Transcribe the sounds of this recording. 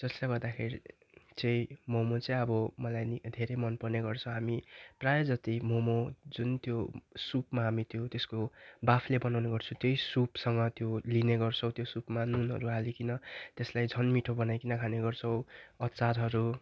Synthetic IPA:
d͡zʌslaɡʌrd̪akʰeɾi | t͡sʌ̃ĩmomot͡sʌ̃ĩʌbʌmʌlajnid̪ʱeɾemʌnpʌrneɡʌrt͡sʰʌ̃w̃ɦamiprajod͡zʌt̪imomod͡zunt̪josupmaɦamit̪jot̪eskobapʰlebʌnawneɡʌrt͡sʰũt̪jʌisupsʌŋɡʌt̪jolineɡʌrt͡sʰʌw̃t̪josupmanunɦʌ̰ɾuɦalikinʌt̪eslajd͡zʱʌnmiʈʰobʌnajkinʌkʰaneɡʌrt͡sʰʌ̃w̃ʌt̪t͡saɾɦʌɾu

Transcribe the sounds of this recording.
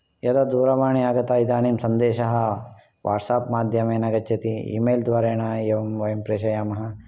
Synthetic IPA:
jɐd̪ɐd̪uːɾɐʋaːɳiaːɡɐt̪aid̪aːneːmsɐnd̪eːʃɐɦɐ̆ | ʋʔa̰ːʈsaːpmaːd̪ʱjɐmeːnɐɡɐɐt̪iḭːmeːld̪ʋaːɾeːɳaeːʋɐmʋɐjɐmpɾeːʃɐjaːmɐɦɐ

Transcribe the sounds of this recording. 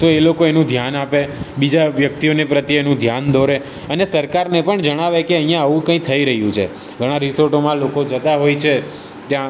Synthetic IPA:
t̪oelokoenũd̪ʱjanapebid͡ʒaʋjək̚t̪ionepɾət̪jenũd̪ʱjand̪ʱoɾe | ənesəɾkaɾnepəɳd͡ʒəɽ̃aʋekeəɦĩjãəʋũkə̃ĩt̪ʰəiɾəɦjũt͡ʃʰḛ | ɡʱəɽ̃aɾisoɾʈomãlokod͡ʒət̪aɦojt͡ʃʰe | t̪jã

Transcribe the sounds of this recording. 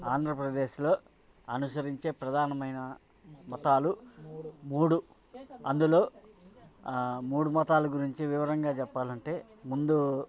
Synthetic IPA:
aːnd̪ʱɾɐpɾɐd̪e̞ːʃlo̞ː | ɐnusɐɾiɲt͡ʃe̞ːpɾɐd̪ʱaːnɐmɐjnɐ | mɐt̪aːlu | muːɽu | ɐ̰nd̪ulo̞ː | muːɽumɐt̪aːluɡuɾiɲt͡ʃiʋiʋɐɾɐŋɡaːt͡ʃɛpːaːlɐɳʈe̞ː | mund̪u

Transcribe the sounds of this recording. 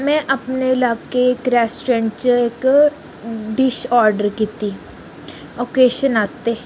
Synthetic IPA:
mɛ̃ʔɐpnelaːkekɾɛːsʈɾẽːɳɖt͡ʃəeːk | ɖɪʃɔːɾɖəɾkit̪i | oːkeːʃənaːst̪e

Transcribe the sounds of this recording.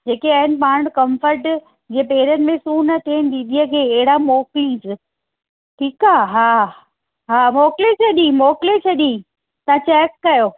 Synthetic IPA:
d͡ʑeːkeɐɦɪnɪ̆paːɽ̃kɐ̃mfəɾʈ | d͡ʑeːpeːɪɾənɪ̆mẽsuːnɐt̪ʰeːnɪd̪iːɗ̪iəkʰeːɦɪɽamoːklisɪ | ʈʰiːkaːɦaː | ɦaːmɔːklet͡ɕʰɐɗĩmɔːklet͡ɕʰɐɗĩ | t̪ɐãt͡ɕɛːkːɐjoː

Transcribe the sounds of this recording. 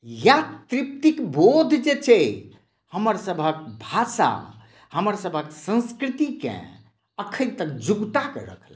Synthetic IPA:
jat̪ɾip̚t̪ikbod̪ʱd͡ʒet͡ʃʰɛ | həməɾsəbʱək̚bʱasa̰ | həməɾsəbʱəksə̃nskɾit̪ikḛ̃ | əkʰəĩt̪əkd͡ʒuɡt̪akḛɾə̰kʰl

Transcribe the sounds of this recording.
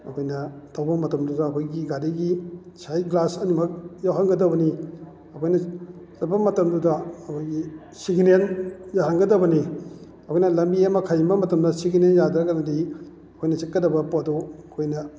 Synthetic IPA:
ɐkʰojnɐtʰawbɐmɐtɐmdudɐːkʰojɡiɡaɾiɡisʰajɡlasɐnimɐk̚jawɦaŋɡɐdɐbɐni | ɐkʰojnɐsɐt̚pɐmɐtɐmdudɐːkʰojɡi | siɡinenjaɦaŋɡɐdɐbɐni | ɐkʰojnɐlɐmbiɐmɐkʰajimbɐmɐtɐmdɐsiɡinenjadɾɐɡanɐdi | ɐkʰojnɐt͡ʃɐt̚kɐdɐbɐpodɔɐkʰojnɐ

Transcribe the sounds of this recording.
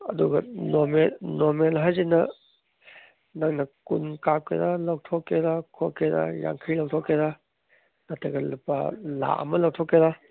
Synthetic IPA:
ɐduɡɐnomelnoɾmelɦajzinɐ | naŋnɐkunkap̚kʰḛdalawtʰɔkːedakʰokːeda̰ja̰ŋkʰɯjlɐwtʰɔkʰːeda | natʰeɡɐlupa̰la̰ʔɐ̰mɐlɐwtʰɔkːeda

